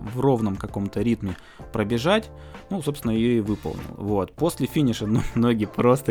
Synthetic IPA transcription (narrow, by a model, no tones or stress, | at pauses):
vro̞vnəmkɐko̞mt̪əɾʲit̪mʲɪ | pɾəbʲɪʐatʲ | nuso̞pst̪ʲɪnəjɪjoivɨpə̰lˠnʲɪ̰lˠə̰vot̪̚po̞sʲlʲɪfʲinʲɪʂənomnoɡʲɪpɾo̞st̪ə